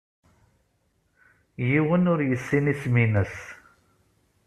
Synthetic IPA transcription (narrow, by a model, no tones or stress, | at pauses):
jiwənʊɾjəsːiniθminəs